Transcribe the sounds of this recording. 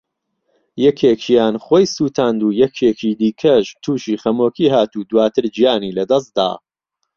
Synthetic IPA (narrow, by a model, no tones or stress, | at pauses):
jɛkʰeːt͡ʃjaːnχoːjsuːt̪ʰaːnd̪uːjɛkʰeːt͡ʃiːd̪iːkʰɐʃt̪ʰuːʃiːχɐmoːkiːɦaːt̪uːd̪waːt̪ʰɨɾd͡ʒijaːniːlɐd̪ɐs̬t̪̚d̪a̰ː